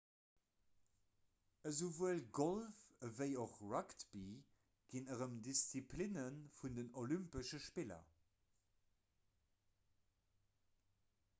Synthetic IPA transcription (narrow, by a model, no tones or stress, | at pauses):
əzuvuəlɡolfəvəɪoχɹɑktb̥i | ɡ̥inəʁəmdist͡sipʰlinənfundənolympəʃəʃpilɐ̰